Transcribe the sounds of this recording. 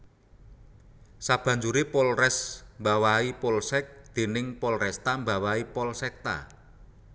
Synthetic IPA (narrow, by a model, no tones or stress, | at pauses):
sab̥ä̤ɲd͡ʒuɾipolrɛsmbawaipolsɛk̚d̪̥e̤nɪŋpɔlrɛst̪ambawaipɔlsɛk̚t̪a̰